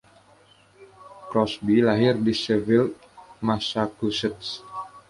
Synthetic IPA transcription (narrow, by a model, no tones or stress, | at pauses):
kɾɔsbilaɦɪrdisɛvɪl | masakusət̪̚s